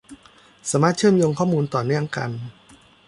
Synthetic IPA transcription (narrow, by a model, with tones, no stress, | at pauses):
saː˩˦maː˥˩t̪̚t͡ɕʰɯ˥˩˨mjoː˧ŋkʰɔː˥˩muː˧nt̪ɔː˨˩nɯ˥˩əŋka̰˧n